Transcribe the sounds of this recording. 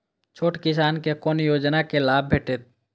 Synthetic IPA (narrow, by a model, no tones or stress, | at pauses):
t͡ʃʰoːʈkɪs̬aːnkekoːnjoːd͡ʒnakelaːb̚ʱbʱeːʈet̪̚